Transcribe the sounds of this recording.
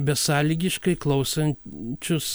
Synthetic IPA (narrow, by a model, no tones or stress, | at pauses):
bʲɛsɑːlʲiːɡʲɪʃkɐɪklˠɐʊsɐnʲt͡ʃʲʊs